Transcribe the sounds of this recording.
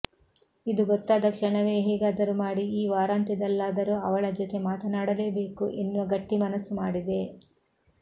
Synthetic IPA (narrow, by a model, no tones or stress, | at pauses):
id̪uɡɔt̪ːaːd̪ɐkʂɐɳɐʋeːɦɛːɡaːd̪ɐɾumaːɽiiːʋaːɾaːnt̪id̪ɐlːaːd̪ɐɾuɐʋɐɭɐd͡ʒɔt̪e̞maːt̪ɐnaːɽɐle̞ːbe̞ːkuʔenːuʋɐɡɐʈːimɐnɐsːumaːɽid̪e̞